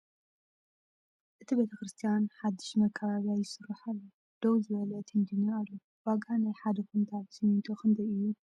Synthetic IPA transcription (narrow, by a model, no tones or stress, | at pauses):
ʔɨt̪ʰibe̞t̪ʰɐkɾɨst̪ʰijanħad̪ːɨʃmɐkʰːɐβaβijajːɪsɨrːaħalːo | d̪̥owzɨβɐlət̪ʰind̪ɨɲːaːlːu | waɡanajħad̪ɐkunt̪ʰat̪sɨmint̪ʰoxʰɨnt̪ʰɐjɨjːu